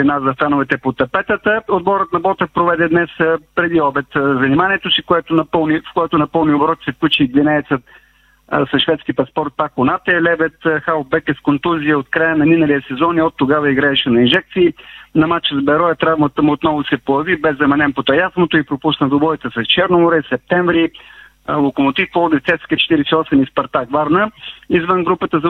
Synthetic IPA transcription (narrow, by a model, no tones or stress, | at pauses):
inazɐfanovɛt̪ɛpot̪ɐpɛt̪ət̪əod̪̚bɔɾət̪̚nɐbɔt̪əpɾovɛd̪ɛd̪nɛspɾɛd̪iɔbɛt̪zɐnimaniɛt̪osikoɛt̪onɐpəlˠnifkojɛt̪onɐpɤlˠniobɾɔt̪sɛfklʲut͡ʃid̪vinɛɛt̪sət̪ | sɐʃvɛt̪skʲipɐspɔɾt̪̚pakːonat̪ɛlɛbɛt̪xaobɛkɛskont̪uziəot̪kɾajənɐninəlijəsɛzɔniɔt̪ːoɡavɐiɡɾaɛʃɛnɐinʒɛk̚t̪siːnɐmat͡ʃəzbɛɾɔjɛt̪ɾavmət̪əmuot̪nɔvʊsɛpoɐvibɛzɐmɐnɛnpot̪ɐjazmot̪oipɾopusnəd̪obɔɛt̪əsɐst͡ʃɛɾnomʊɾɛsɛp̚t̪ɛɱvɾi | lˠokomot̪ifpolˠd̪ift̪ɛt̪skit͡ʃɛ̥t̪iɾɛsiɔsɛmispɐɾt̪akvaɾnəizvənɡɾupət̪əz